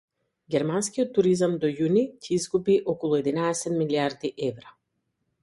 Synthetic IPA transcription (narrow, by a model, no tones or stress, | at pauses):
ɡʲɛɾmanskijɔt̪ːuɾizamd̪ɔjunicʰɛizɡupiʔɔkɔlˠuɛd̪inaɛsɛt̪miliaɾd̪iʔɛvɾa